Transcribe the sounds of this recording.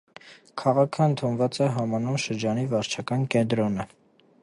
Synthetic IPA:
kʰɑʁɑkʰəənt̪ʰunvɑt͡sɛɦɑmɑnumʃəɾd͡ʒɑnivɑɾt͡ʃʰɑkɑnkɛnt̪̬ɾɔnə

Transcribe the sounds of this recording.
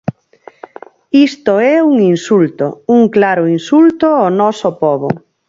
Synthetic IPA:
ist̪oɛuŋinsult̪o̰uŋklaɾʊinsult̪oɔnɔsopɔβo

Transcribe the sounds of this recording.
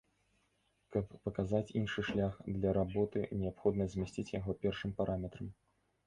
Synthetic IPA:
kɐpːɐkazat͡sʲinʂɨʂlʲaxd̪lʲɐɾabɔt̪ɨnʲɛapxɔd̪nɐzʲmʲɛsʲt͡sʲit͡sʲjaɣɔpʲɛrʂɨmpaɾʔamʲɛt̪ɾɐm

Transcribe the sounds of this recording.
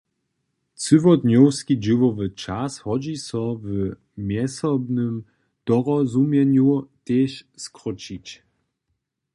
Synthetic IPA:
t͡sɨvɔd̪nɔwskid͡ʑivɔvət͡ʃashɔd͡ʑisɔv | mjɛsɔbnəm | d̥ɔʁɔzumjɛɲjut̪eːɕskʁɔt͡ɕit͡ɕ

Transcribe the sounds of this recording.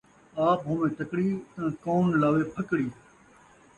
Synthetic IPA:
aːpɦʊmẽːt̪əkɽĩːkoːnlaːʋeːpʰəkɽiː

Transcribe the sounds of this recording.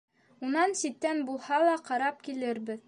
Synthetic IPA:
unɑnsit̪ːænbulˠhɑlˠɑqɑɾɑp̚kilɘɾbɘð

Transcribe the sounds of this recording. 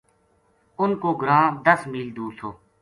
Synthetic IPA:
ʊnkoːɡɾãːd̪əsmiːld̪uːsʰoː

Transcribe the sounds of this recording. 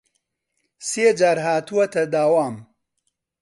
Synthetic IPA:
seːd͡ʒaːɾɦaːt̪uwɐt̪ʰɐd̪aːwaːm

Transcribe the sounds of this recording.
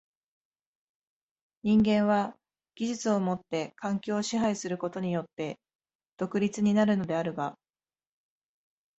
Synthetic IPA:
ɲ̟ĩŋɡẽ̞ɰ̃βa | ɡ̥ʲiʑit͡sɨo̞mo̞t̪ːe̞kʰãŋkʲo̞ːɕiɦaisɨɾɯ̟ko̞t̪o̞ɲ̟ijo̞t̪ːe̞ | d̪̥o̞kɯ̟ɾʲit͡sɨɲ̟inaɾɯ̟no̞d̪e̞aɾɯ̟ɡa

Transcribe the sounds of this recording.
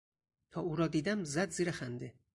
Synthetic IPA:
t̪ʰɒːuːɾɒːd̪iːd̪æmzæd̪ziːɾexænd̪e

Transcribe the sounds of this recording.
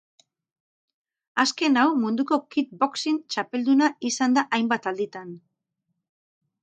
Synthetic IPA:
aske̞nawmund̪uko̞kit̪̚bo̞ksint͡ʃape̞ld̪unaisand̪aʔajmbat̪ald̪it̪an

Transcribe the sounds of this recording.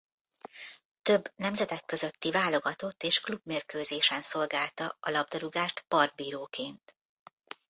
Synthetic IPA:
t̪ø̞bːnɛmzɛt̪ɛkːø̞zø̞t̪ːivaːlo̞ɡɒt̪o̞t̪ːeːʃklubmeːrkøːzeːʃɛnso̞lɡaːlt̪ɒɒlɒb̚d̪ɒɾuɡaːʃt̪pɒrd̪̚biːɾoːkeːnt̪

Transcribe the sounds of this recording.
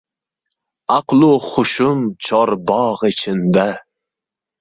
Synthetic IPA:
ɑqlˠʊχʊʃʊmt͡ʃʰɒɾbɒʁɪt͡ʃʰɪnd̪a

